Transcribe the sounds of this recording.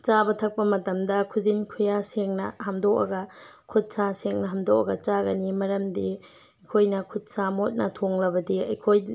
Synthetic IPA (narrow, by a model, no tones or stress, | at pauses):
t͡ʃabɐtʰɐk̚pɐmɐtɐmdɐkʰuzinkʰujaseŋnɐ̰ɦɐmdokɐ̰ɡɐkʰut̚saseŋnɐɦɐmdok̚ɐ̰ɡɐt͡ʃaɡɐnimɐɾɐmdi | ɐjkʰojnɐkʰut̚samot̚nɐtʰoŋlɐbɐdiɐ̰jkʰoj